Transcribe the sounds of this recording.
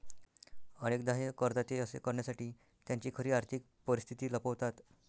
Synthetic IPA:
əñekd̪aɦekəɾd̪at̪eəsḛkəɾɳjasaʈiː | t̪jaɲt͡ɕiːkʰəɾiːaɾt̪ʰik̚pəɾist̪ʰit̪iːləpəʋt̪at̪

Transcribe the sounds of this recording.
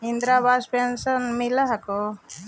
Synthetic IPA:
ind̪ɾabaːspensɐnmilɐɦɐko

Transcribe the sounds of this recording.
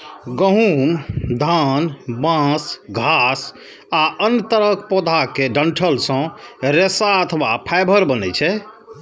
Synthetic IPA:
ɡəɦumd̪ʱanbãsɡʱas | aʔənːt̪əɾəkpɔd̪ʱakeɖəɳʈʰəlsə̃ɾesaət̪ʰwapʰajbʱəɾbənɛt͡ʃʰɛ

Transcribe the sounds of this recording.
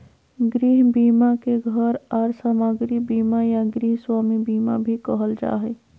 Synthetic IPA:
ɡɾiɦbimakeɡʱəɾaːɾsamaɡɾibimajaɡɾiɦswamibima̰bʱikəɦəld͡ʒa̰ɦɛ

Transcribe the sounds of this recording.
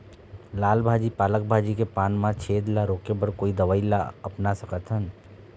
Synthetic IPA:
laːlbʱaːd͡ʒipaːlək̚bʱaːd͡ʒikepaːnmãt͡ʃʰeːd̪laɾoːkebɐɾkoːid̪əʋaːila̰ɐpnasɐkət̪ʰɦən

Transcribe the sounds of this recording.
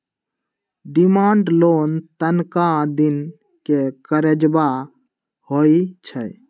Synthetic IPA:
ɖimãːɳɖloːnt̪ənkad̪in | kekəɾəd͡ʒba | hoit͡ʃʰə

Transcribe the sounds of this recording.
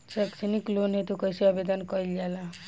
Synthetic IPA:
t͡ʃekseniklonɦet̪ukɔjseabed̪ənkɔild͡ʒala

